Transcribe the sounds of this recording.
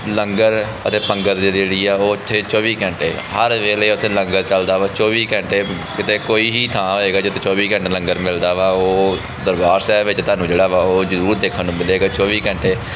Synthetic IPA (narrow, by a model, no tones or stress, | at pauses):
ləŋɡəɾ | ə̰t̪eːpəŋɡəɾd͡ʒeːɾeːɽiːaːoːt̪ʰːeːt͡ʃɔːʋiːkɛ̃ɳʈeː | ɦəɾʋeːleːʊt̪ʰːeːlə̃ŋɡəɾt͡ʃəld̪aːʋaːt͡ʃɔːʋiːkɛ̃ɳʈeː | kɪt̪eːkoːiːɦiːt̪ʰãːɦoːeːɡaːd͡ʒɪt̪ʰeːt͡ʃɔːʋiːkɛ̃ɳʈlə̃ŋɡəɾmɪld̪aːʋaːoː | d̪əɾbaːɾsɛːʋɪt͡ʃt̪aːnũːd͡ʒeːɽaːʋaːoːd͡ʒəɾuːɾd̪eːkʰənːũːmɪleːɡaːt͡ʃɔːʋiːkɛ̃ɳʈeː